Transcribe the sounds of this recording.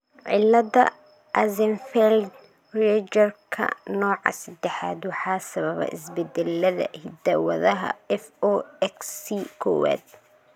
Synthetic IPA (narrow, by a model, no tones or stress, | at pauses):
ʕɪlːɐd̪ɐ̰ | ʔɐzɛnfɛld̪ | rɛd͡ʒɐrkʰɐ̰nɔːʕɑ̰sɐd̪ɛħaːd̪wɑħɑːsɐβɐβɐ̰ʔɪsbɛd̪ɛlːɐðɐ̰hɪd̪ɐwɐðɐɦɐ̰ɛfɔːɛksikʰɔ̰ːwa̰ːd̪̚